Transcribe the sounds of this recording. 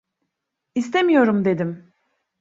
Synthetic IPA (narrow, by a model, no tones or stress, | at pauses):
ist̪e̞mijo̞ɾumd̪e̞d̪im